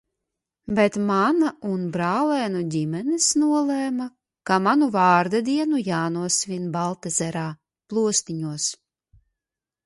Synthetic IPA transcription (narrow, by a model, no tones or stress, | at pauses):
bɛt̪manaunbɾaːlɛːnudʲimɛnesnuɔlˠɛːma | kamanuvaːɾd̪ad̪iɛnujaːnuɔsvʲinbalˠt̪ɛzɛɾaː | plˠuɔst̪iɲuɔs